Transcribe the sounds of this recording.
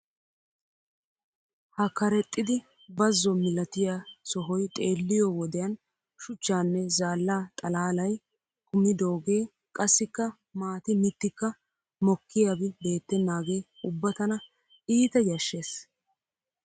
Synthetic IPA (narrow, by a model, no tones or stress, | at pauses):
hɐkɐɾɛt̪ʼːɪd̪ɪ | bɐzːɔmɪlɐt̪ɪjasɔɦɔjt̪ʼe̞ːlːɪjɔwɔd̪ɛjɐn | ʃʊt͡ʃːaːnːɛzaːlːaːt̪ʼɐlaːlɐj | kʊmɪd̪o̞ːɡe̞ː | kʼɐsːɪkːɐ | maːt̪ɪmɪt̪ːɪkːɐ | mɔkːɪjabɪbe̞ːt̪ːɛnːaːɡe̞ː | ʊbːɐt̪ɐnɐ | iːt̪ɛjɐʃːe̞ːs